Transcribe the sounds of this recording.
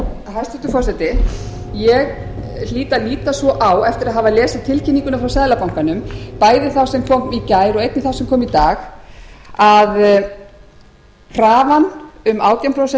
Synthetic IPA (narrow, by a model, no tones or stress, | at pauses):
hajst̪ɛt̪ʏfɔrsɛt̪ɪ | jɛɣ | l̥iːt̪aliːt̪asvɔʔawɛft̪ɪɾaðɦaːvalɛːsɪt̪ʰɪlcʰɪnːiŋkʏnafɾawsɛːðlapawŋkanʏmpaːjðɪθawsɛmkʰɔmicaːjɾɔɣejt̪nɪθawsɛmkʰɔːmit̪aːx | að | kʰraːvanʏmaːwt̪jawmpɾowsɛ